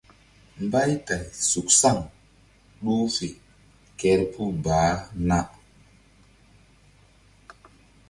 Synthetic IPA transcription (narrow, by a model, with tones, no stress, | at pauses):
mba˦jta˨jsu˨k̚sa˦˨ŋ | ɗu˦fe˨ | kɛ˦ɾpu˦baː˨˦na˦